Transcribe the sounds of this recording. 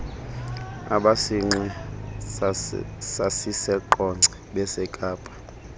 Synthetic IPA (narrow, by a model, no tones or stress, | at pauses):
a̰ɓasiŋ͡ǀɛ | sasisɛǃɔŋ͡ǀʱɛɓɛsɛkʼaːpʼḁ